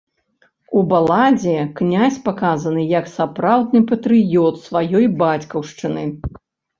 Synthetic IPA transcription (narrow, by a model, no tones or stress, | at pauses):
ubalˠad͡zʲiknʲasʲpakazɐnɨjɐksapɾawd̪̚nɨpɐt̪ɾɨjɔt̪svajɔjbat͡sʲkɐwʂt͡ʂɨnɨ